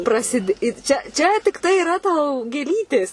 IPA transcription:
prɐˈsʲɪdʲeː ɪr ˈt͡ʃʲɛ ˈt͡ʃʲɛ tʲɪkˈtɐɪ ɪˈrɐ tɐʊ ɡʲeːˈlʲiːtʲeːs

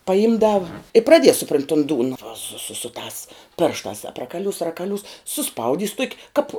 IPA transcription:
pɐˈɪmdɐw ɪ prɐˈdʲiɛs sʊˈproːnʲtʲ tʊn ˈduːnɐ ʋɐ sʊ sʊ sʊ tɑːs ˈpʲeːrʃtɑːs ɐprɐkɐˈlʲuːs rɐkɐˈlʲuːs sʊˈspɐʊdʲiːs tuɔkʲ ˈkɐp

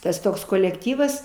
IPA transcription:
ˈtɐs ˈtoːks koːlʲɛkˈtʲiːʋɐs

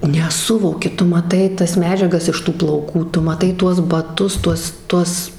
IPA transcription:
nʲɛˈsʊʋoːkʲɪ ˈtʊ mɐˈtɐɪ ˈtɐs ˈmʲæːd͡ʒʲɛɡɐs ɪʃ ˈtuː plˠɐʊˈkuː ˈtʊ mɐˈtɐɪ ˈtuɔs bɐˈtʊs ˈtuɔs ˈtuɔs

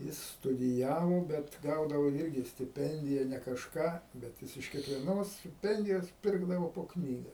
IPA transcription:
ˈjɪs stʊdʲɪˈjæːʋoː ˈbʲɛt ˈɡɐʊdɐʋoː ˈɪrʲɡʲɪ sʲtʲɪˈpʲɛnʲdʲɪjɛ nʲɛ kɐʃˈkɑː bʲɛt ˈjɪs ɪʃ kʲiɛkʋʲiɛˈnoːs sʲtʲɪˈpʲɛnʲdʲɪjoːs ˈpʲɪrɡdɐʋoː poː ˈknʲiːɡɐ

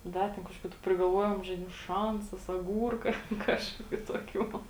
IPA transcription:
ˈdɐ tʲɛn kɐʃˈkoːkʲʊ tʊ pʲrʲɪɡɐlˠˈʋuɔjoːm ʒɐɪˈdʲɪmʊ ˈʃɐnsɐs ɐˈɡuːrkɐ ˈkɑːʃkoːkʲʊ toːˈkʲuː

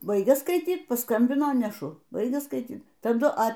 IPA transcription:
ˈbɐɪɡʲɛ skɐɪˈtʲiːt pɐˈskɐmʲbʲɪnoː nʲɛˈʃʊ ˈbɐɪɡʲɛ skɐɪˈtʲiːt tɐˈdʊ ɐ

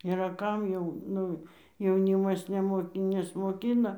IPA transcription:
iːˈrɐ ˈkɐm jɛʊ ˈnʊ jɛʊˈnʲiːmɐs nʲɛˈmoːkʲɪ nʲɛsmoːˈkʲɪnɐ

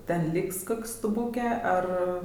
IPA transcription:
ˈtʲɛn ˈlʲiːks ˈkoːkʲ stʊˈbuːkʲeː ˈɐr

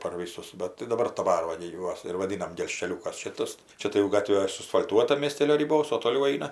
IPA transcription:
pɐr ˈʋʲiːsʊs ˈbɐt tɐɪ dɐˈbɐr dɐˈbɐr ˈʋɐ ɡʲɪ ˈjuɔs ɪr ʋɐˈdʲiːnɐm ɡʲɛlʲʃʲkʲɛˈlʲuːkɐs ˈʃʲɪtɐs ˈt͡ʃʲɛ tɐɪ jɛʊ ˈɡɑːtʲʋʲeː sʊɐsfɐlʲˈtuɔtɐ mʲiɛsʲˈtʲeːlʲoː rʲɪˈboːs oː toːˈlʲɛʊ ˈɐɪnɐ

